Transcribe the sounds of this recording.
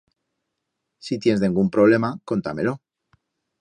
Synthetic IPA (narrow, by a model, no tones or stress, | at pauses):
sit̪je̞nzðeŋɡumpɾo̞β̞le̞mako̞nt̪ame̞̰lo̞